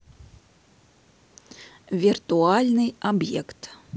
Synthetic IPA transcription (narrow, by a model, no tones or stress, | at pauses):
vʲirt̪ualʲnɨjabjɛkt̪